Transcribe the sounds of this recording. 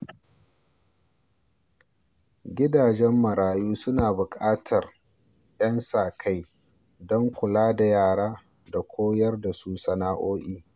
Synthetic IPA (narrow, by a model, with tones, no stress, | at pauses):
ɡʲɪ˦daː˨d͡ʒɛ˦mːɐ˨ɽaː˨juː˦sʊ˦naː˨bʊ˨kʼaː˦tʰɐ˨r | jʔɐ˦nsaː˨kʰa˦j | dɔ˦ŋkʷʊ˨laː˦da˨jaː˦˨ɽaː˦ | da˨kʷʰoː˦jɐ˦rda˨su˦sɐ˨naː˦ʔoː˦ʔʲiː˦